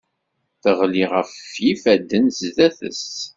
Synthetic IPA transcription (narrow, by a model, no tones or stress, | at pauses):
θəʁliʁəfjifæd̪ːənzðæθə̰st